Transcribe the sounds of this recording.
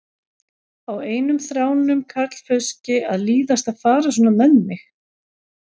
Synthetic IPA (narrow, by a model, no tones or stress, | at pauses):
aweːjnʏmθɾaːwnʏmkʰat̪l̥fœscɪaðliːðast̪aðfaːɾas̬ɔːnamɛnːɪx